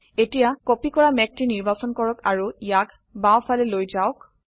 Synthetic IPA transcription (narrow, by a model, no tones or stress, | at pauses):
etijakopikɔɹamɛk̚tiniɹbasɔnkɔɹɔka̰ɹuijak | bawfʰalɛlojzaʊk